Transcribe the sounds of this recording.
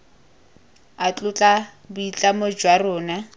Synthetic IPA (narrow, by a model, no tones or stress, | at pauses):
at͡ɬʼʊt͡ɬʼa | bʊit͡ɬʼamod͡ʒwarʊːna